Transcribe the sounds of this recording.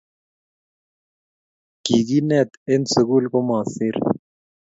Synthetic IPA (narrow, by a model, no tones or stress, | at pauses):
kiːɡiːnet̪ɪnsəkuːlkomaːsiɾ